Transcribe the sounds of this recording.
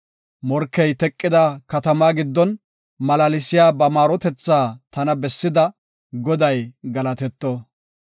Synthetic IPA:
mɔɾkːɛjt̪ɛkʼːɪd̪ɐkɐt̪ɐmaːɡɪd̪ːɔn | mɐlɐlɪsɪjaːbɐmaːɾɔt̪ɛt͡sːaːt̪ɐnɐbɛsːɪd̪ɐ | ɡɔd̪ɐjɡɐlɐt̪ɛt̪ːɔ

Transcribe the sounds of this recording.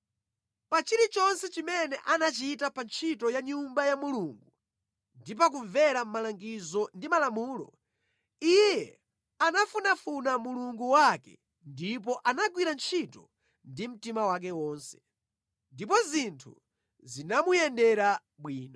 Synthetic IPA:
pat͡ʃiɾit͡ʃɔnsɛt͡ʃimɛnɛʔanat͡ʃitapant͡ʃʰitɔjaɲumbajamuluŋɡu | ndip̬ak̬uɱvɛɾam̩malaŋɡizɔndimalamuːlɔ̰ | ijjɛ | anafunafunamuluŋɡuwakɛ̰ | ndip̬ɔʔanaɡwiɾant͡ʃʰitɔ | ndim̩timawak̬ɛwɔːnsɛ̥ | ndipɔzintʰṵ | zinamujɛndɛɾa | ɓwiːnɔ

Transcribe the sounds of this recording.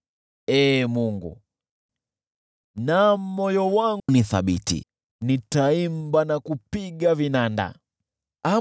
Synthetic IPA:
ɛːmuŋɡṵ | nam̩mɔjɔwaŋniθa̰ɓitḭ | nitaimbanakupiɡavinanda̰ | a

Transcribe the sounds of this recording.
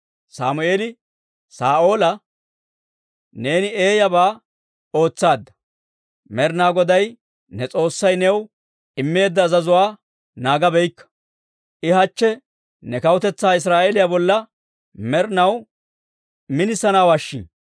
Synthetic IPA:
saːmʊe̞ːlɪ | saːʔo̞ːlɐ | ne̞ːnɪe̞ːjɐbaː | o̞ːt͡sːaːd̪ːɐ̥ | mɛɾnaːɡɔd̪ɐj | nɛt͡sʼo̞ːsːɐjnɛw | ɪmːe̞ːd̪ːɐːzɐzʊwaː | naːɡɐbɛjkːɐ̥ | ʔɪɦɐt͡ʃːɛ | nɛkɐwʊt̪ɛt͡sːaːɪs̬ɾaːʔeːlɪjabɔlːɐ | mɛɾnɐw | mɪnɪsɐnawaʃːḭn

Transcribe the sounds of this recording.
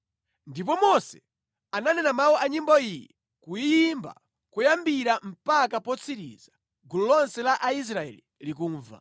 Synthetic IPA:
ndip̬ɔmɔsɛ | ananɛnamauʔaɲimbɔijɛ | kujimba̰ | kujambiɾam̩pakapɔt͡sʰiɾḭza | ɡulɔlɔnsɛlaʔais̬ɾaɛ̰lilik̬uːɱva̰

